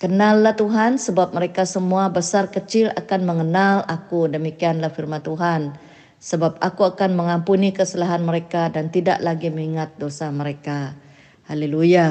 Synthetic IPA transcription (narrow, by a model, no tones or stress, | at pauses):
kənalːaht̪uɦansəbap̚məɾekasəmuabəsarkət͡ʃɪla̰kanməŋənalakudəmikianlahfirmant̪uɦan | səbap̚akuakanməŋampunikəsəlaɦanməɾekadant̪ida̰ʔlaɡiməŋiŋat̪̚dosaməɾeka | haleluja